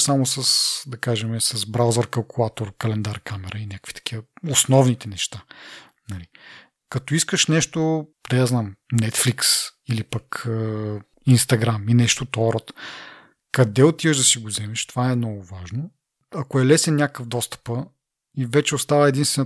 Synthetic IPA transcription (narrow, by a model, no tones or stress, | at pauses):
samosəsd̪ɐkaʒɛmɛsɐzbɾawzɐɾkɐlˠkulˠat̪oɾkɐlɛnd̪aɾkamɛɾəinʲakəkvi̥t̪ɐ̥k̟ivəosnɔvnit̪ɛnɛʃt̪a | nɐli | kɐt̪oiskəʃnɛʃt̪od̪ɐjaznamnɛt̪fliksilipɐkə | inst̪ɐɡɾaminɛʃt̪ot̪ɔɾət̪ | kɐd̪ɛot̪ivəʒd̪ɐsiɡozɛmɛʃt̪ovaɛmnɔɡʊvaʒno | ɐkoɛlɛsɛnnʲakkəfd̪ɔst̪ə̥pə | ivɛt͡ʃɛost̪avəɛd̪inst̪vɛn